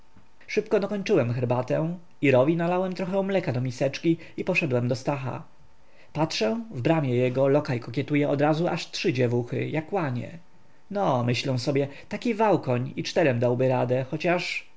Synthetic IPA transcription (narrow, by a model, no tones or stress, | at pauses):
ʂɘpkɔd̪ɔkɔɲt͡ʂɘwɛmxɛɾbat̪ɛ | iɾɔvʲinalawɛmt̪ɾɔxɛɔmlɛkad̪ɔmʲisɛt͡ʂkʲi | ipɔʂɛd̪wɛmd̪ɔst̪axa̰ | patʂɛvbɾamʲɛjɛɡɔlɔkajkɔkʲjɛt̪ujɛʔɔd̪ɾazuʔaʂtʂɘd͡ʑɛvuxɘ̰jakwaɲɛ̰ | nɔmɘɕlɛw̃sɔbʲjɛt̪akʲivawkɔɲit͡ʂt̪ɛɾɛmd̪awbɘɾad̪ɛxɔt͡ɕaʂ